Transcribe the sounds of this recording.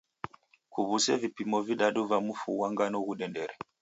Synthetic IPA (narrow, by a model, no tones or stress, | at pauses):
kuβusɛvipimɔviɗaɗuvamufuwaŋɡanɔɣuɗɛndɛɾɛ